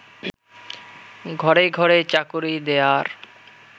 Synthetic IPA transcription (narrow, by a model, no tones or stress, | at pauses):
ɡʱɔɾeɡʱɔɾet͡ɕakuɾid̪eaɾ